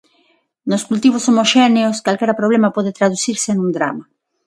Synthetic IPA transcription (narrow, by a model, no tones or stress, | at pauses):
noskult̪iβosomoʃeneoskalkeɾapɾoβlemapoðet̪ɾaðusiɾsenũnd̪ɾa̰ma